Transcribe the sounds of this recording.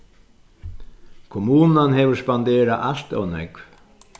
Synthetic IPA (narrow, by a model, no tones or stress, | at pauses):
kʰʊmuːnanhɛːʋʊɾspand̪eːɾaʔaɬt̪ɔ̰wnɛ̰kv